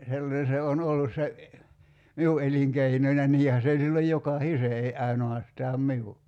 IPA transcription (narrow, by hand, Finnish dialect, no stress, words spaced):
selːɑne se on olːus se miu eliŋkeinonʲ jɑ niːhæ se olʲ silːoj jokɑhise ei ɑinoɑstɑːm miu